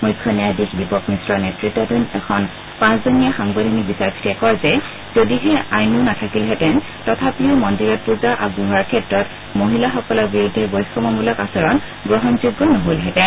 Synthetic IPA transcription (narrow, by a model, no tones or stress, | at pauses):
mujkʰːɔnɛadikbibɔkmisɹɔnɛtɹitːɔdʱɔnɛkʰɔn | pãszonijaxaŋbadʱɔnikbisaɹsʰi̥tɛkɔɹzɛ | z̥odiɦɛajnunatʰakilɦɛtɛn | tɔtʰapiʊmɔndiɹɔt̚puɹzaʔabuɦaɹkʰɛtɹɔt | moɦilaxɔkɔlɔɹbiɹudʱːɛbɔjskɔmɔmulɔkasɔɹɔn | ɡɹɔɦɔnzuɡːɔnɔɦolɦɛtɛn